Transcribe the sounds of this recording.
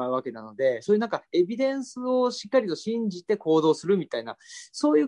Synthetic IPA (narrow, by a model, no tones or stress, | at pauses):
aɯ̟βake̞nano̞d̪e̞soːjɯ̟nãŋkae̞bʲid̪ẽ̞ɰ̃sɨoɕi̥kːaɾʲit̪o̞ɕĩɲd͡ʑit̪e̞ko̞ːd̪o̞ːsɨɾɯ̟mʲit̪ainaso̞ːjɯː